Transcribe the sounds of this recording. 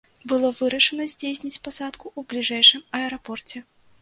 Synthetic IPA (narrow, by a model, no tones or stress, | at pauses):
bɨlˠɔvɨɾɐʂɐnɐzʲd͡zʲesʲnʲit͡sʲpasat̪kuublʲiʐɛjʂɨmɐɛɾapɔrt͡sʲɛ